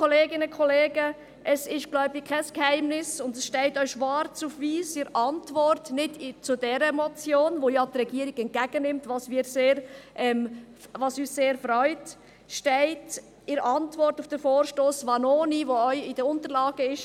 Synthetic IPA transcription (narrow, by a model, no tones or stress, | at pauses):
kʰɔleːɡɪnəkʰɔleːɡə | ʔɛsɪʃɡ̥lɔʏbɪkʰɛskhɛɪmnɪsʊndɛsʃtɛɪtœʏʃʋɑːɾt͡sufʋiːsɪɾɑntʋɔrtnɪdt͡sʊdɛɾəmɔt͡sjoːnʋojɑtrɛɡiəɾiɡɛnt̚kæɡ̥ənɪmtʋɑsmiːɾseːɾʔɛm | vɑsyːsseːɾfɾœʏt | ʃtɛɪt | ɪɾɑntvɔrtufd̥əfoːɾʃtoːsʋɑnoːniʋoœʏɪd̥əʊntəɾlɑːɡəɪʃ